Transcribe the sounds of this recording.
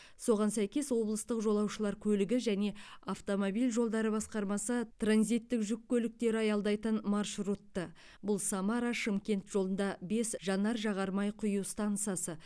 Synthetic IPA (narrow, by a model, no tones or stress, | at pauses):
so̞ʁɑnsæjkʲe̞swo̞blˠəst̪əqʒo̞lˠɑwʃəlˠɑɾkʲʰɵlɪɡʲɪʒæne̞aft̪o̞mobijlʲʒo̞lˠd̪ɑɾəbɑsqɑɾmɑsət̪ʰranzit̪ːɪkʒʏkʲːɵlɪk̚t̪e̞ɾɪɑjɑlˠd̪ɑjt̪ənmɑrʃrut̪ːə | bʊlˠsamɑɾaʃɪmkʲe̞nt̪ʒo̞lˠənd̪ɑbe̞sʒɑnːɑɾʒɑʁɑɾmɑjqʰʊjuwst̪ɑnt̪sɨjɑsə